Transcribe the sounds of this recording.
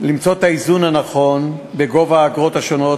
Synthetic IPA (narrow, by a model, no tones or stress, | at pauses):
limt͡so̞t̪aizunhanaχo̞nbe̞ɡo̞vaːɡʁo̞t̪haʃo̞no̞